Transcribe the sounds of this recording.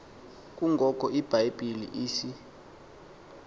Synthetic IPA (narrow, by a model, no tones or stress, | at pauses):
k̬ʼuŋɡʱɔk̬ʼɔʔib̥ʱajb̥ʱilḭʔiːsi